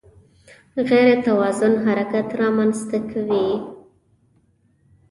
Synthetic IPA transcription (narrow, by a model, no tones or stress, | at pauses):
ɣeɾet̪awɑzʊnɦaɾakat̪ɾɑmanzt̪akʰawi